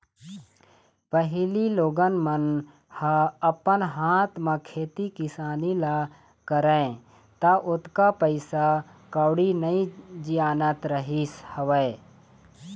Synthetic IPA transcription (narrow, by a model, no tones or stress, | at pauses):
pəɦɪliloːɡənmən | haəpənɦaːt̪mãkʰeːt̪ikɪsaːnila | kəɾə̃ẽ | t̪aʔʊt̪kapəɪsakəwɽinəĩd͡ʒijaːnət̪ɾəɦishəʋə